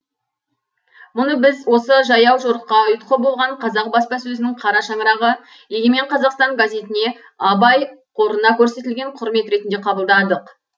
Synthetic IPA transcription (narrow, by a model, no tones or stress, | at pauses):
mʊnəbɪzwo̞səʒɑjɑwʒoɾəqːɑʊjt̪qʰəbo̞lˠʁɑɴqʰɑzɑq̚bɑspɑsɵzɪnɪŋqʰɑɾɑʃɑɴəɾɑʁə | jeɡʲeme̞ɴqʰɑzɑqst̪ɑŋɡazʲe̞t̪ɪne̞ | ɑbɑjqʰo̞ɾənɑkʲʰɵɾse̞t̪ɪlɡʲe̞ɴqʰʊɾme̞t̪ɾe̞t̪ɪnd̪eqʰɑbəlˠd̪ɑd̪əq